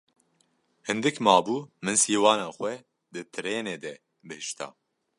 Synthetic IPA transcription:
hɨnd̪ɨkmɑːbuːmɨnsiːwɑːnaːxʷwɛ | d̪ɨt̪ʰɨɾeːneːd̪ɛ | bɨhɨʃt̪ʰa̰ː

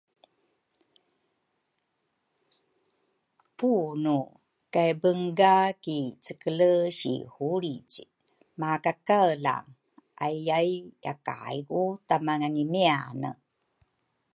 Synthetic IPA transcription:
punu | kajbəŋɡakit͡səkələɕḭhuɾic | makakala̰ | ʔajajʔa̰ka̰jɡutamaŋanimianə̰

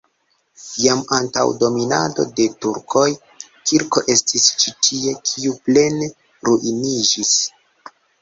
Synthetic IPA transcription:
jamanta̰wdo̞minado̞̰de̞tuɾkʰo̞j | kiɾko̞ʔe̞stist͡ʃitʰie̞kʰiuple̞n | ɾuʔinid͡ʒis

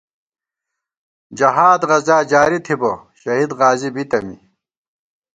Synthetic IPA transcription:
d͡ʑɐɦaːd̪ʁɐzaːd͡ʑaːɾit̪ʰiboɕɐɦid̪ʁaːzibit̪ɐmḭ

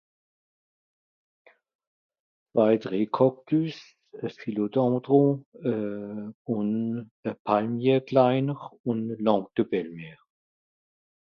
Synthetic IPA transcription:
v̥aɪdʁeːkʰɔk̚d̥ys | əfilodɔ̃ːdʁoə | ʊnəpʰalmjɛːklaɪnəʁʊnlɔ̃ːŋk̚d̥əbɛlmeː

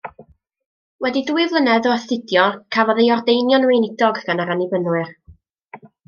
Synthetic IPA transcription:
wɛdiduɨvlˠənɛðɔθɪdjɔkʰavɔðejɔrdejnjɔnwejnɪdɔɡɡanaɾanɪvənwɨr

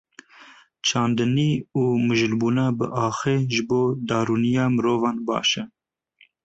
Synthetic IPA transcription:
t͡ʃʰɑːnd̪ɨniːuːmɨʒɨlbuːnɑːbɨ̰ʔɑːxeːʒɨboːd̪ɑːɾuːnijɑːmɨɾoːvɑːnbɑ̰ːʃɛ

